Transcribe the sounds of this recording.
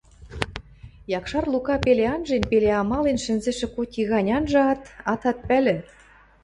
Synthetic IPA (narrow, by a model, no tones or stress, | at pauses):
jɑkʃɑrlukɑpeleɑnʒenpeleɑmɑlenʃɘ̆nzĕʃĕkot̪ʲiɣɑnʲɑnʒɤ̆ɑt̪ɑt̪ɑt̪̚pælɘ̆